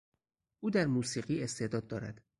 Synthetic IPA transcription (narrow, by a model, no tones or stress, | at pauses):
ʔuːd̪æɾmuːsiːɢiːe̞st̪e̞d̪ɒːd̪ːɒːɾæ̰d̪̥